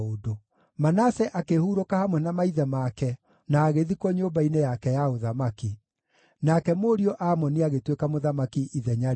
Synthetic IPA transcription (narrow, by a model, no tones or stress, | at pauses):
odo | manasɛʔakehuɾokahamwɛnamaiðɛmakɛ | naːɣeðikɔɲoːmbainejakɛjaoðamaki | nakɛmoɾiɔʔamɔniaɣetwekamoðamakiʔiðɛɲaɾ